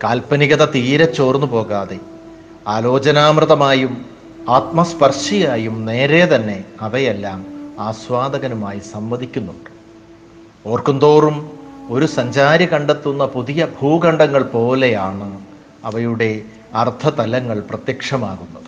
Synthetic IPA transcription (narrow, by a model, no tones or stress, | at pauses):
kaːlpɐniɣɐðɐt̪iːɾɐt͡ɕːo̞ːrnːupo̞ːɣaːðe̞ | aːlo̞ːt͡ɕɐnaːmrɨðɐmaːjum | aːt̪mɐspɐrʂijaːjumne̞ːɾe̞t̪ɐnːe̞ɐʋɐjelːaːmaːsʋaːd̪ɐɣɐnumaːjisɐmʋɐðikʲːunːuɳɖɨ̥ | o̞ːrkɐnd̪o̞ːrumo̞ɾusɐɲd͡ʑaːɾjɐkɐɳɖe̞t̪ːunːɐpuðijɐbʱuːɡɐɳɖɐŋːɐɭpo̞ːle̞jaːɳɨ | ɐʋɐjuɽe̞ | ɐrt̪ʰɐt̪ɐlɐŋːɐɭprɐt̪jɐkʂɐmaːɣunːɐðɨ